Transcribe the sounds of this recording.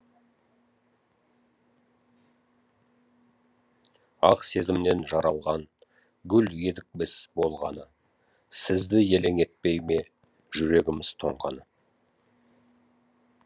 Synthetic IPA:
ɑ̰qse̞zɪmne̞nʒɑɾɑlˠʁɑn | ɡʲʏlɡe̞d̪ɪk̚bɪsbo̞lˠʁɑnə | sɪzd̪ɪje̞leŋe̞t̪̚pe̞jme̞ | ʒʏɾe̞ɡʲɪmɪz̥t̪ʰo̞̰ɴqɑnə

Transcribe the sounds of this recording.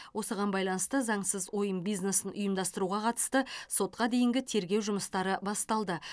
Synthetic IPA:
wʔo̞səʁɑnbɑjlˠɑnəst̪əzɑɴsəzwo̞jəmbijzne̞sɪnʔʊjəmd̪ɑst̪əɾuʁɑqʰɑt̪ə̥st̪əso̞t̪qɑd̪e̞jɪŋɡʲɪt̪ʰe̞ɾɡʲe̞wʒʊməst̪ɑɾəbɑst̪ɑlˠd̪ə

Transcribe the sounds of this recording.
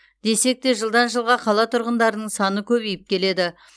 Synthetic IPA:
d̪e̞se̞k̚t̪e̞ʒəlˠd̪ɑnʒəlˠʁɑqʰɑlˠɑt̪ʰʊɾʁənd̪ɑɾənəɴsɑnəkʲʰɵbijɪp̚kʲe̞le̞d̪ɪ

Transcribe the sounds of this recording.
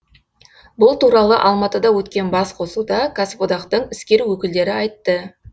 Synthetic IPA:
bʊlˠt̪uɾɑlˠəʔɑlˠmɑt̪əd̪ɑwɵt̪kʲe̞nbɑsqʰo̞sud̪ɑkʰaspod̪ɑqt̪əɴɪskʲe̞ɾuwɵkʲɪld̪e̞ɾɪɑjt̪ːə

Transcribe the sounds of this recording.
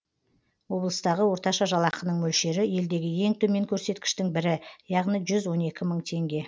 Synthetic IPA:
wo̞blˠəst̪ɑʁəwo̞ɾt̪ɑʃɑʒɑlˠɑqənəɴmɵlʃe̞ɾɪje̞ld̪e̞ɡʲɪje̞ŋt̪ʰɵme̞ŋkʲʰɵɾse̞t̪kʲɪ̥ʃt̪ɪŋbɪɾɪjɑʁnijʒʏzwo̞ne̞kʲɪməɴt̪ʰe̞ŋɡʲe̞

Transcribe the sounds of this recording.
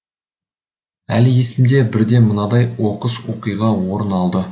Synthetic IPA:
ælɪje̞sɪmd̪e̞bɪɾd̪e̞mənɑd̪ɑjwo̞qəswo̞qijʁɑwo̞ɾənɑlˠd̪ə

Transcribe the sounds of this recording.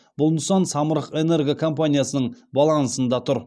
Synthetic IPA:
bʊlˠməsɑnsɑməɾəqe̞ne̞ɾɡʲekʰo̞mpanʲijasənəɴbɑlˠɑnsənd̪ɑt̪ʰʊɾ

